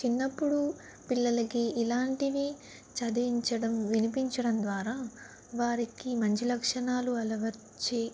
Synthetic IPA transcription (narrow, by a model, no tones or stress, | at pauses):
t͡ʃinːɐpːuɽu | pilːɐlɐkiːlaːɳʈiʋi | t͡ʃɐd̪ɐiɲt͡ʃɐɽɐmʋinipiɲt͡ʃɐɽɐmd̪ʋaːɾaː | ʋaːɾikimɐɲt͡ʃilɐkʂɐɳaːluɐlɐʋɐ | t͡ʃːi